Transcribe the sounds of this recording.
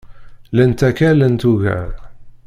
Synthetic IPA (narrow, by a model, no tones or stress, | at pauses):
lænt̪ækælænt̪uʝæ̰ɾ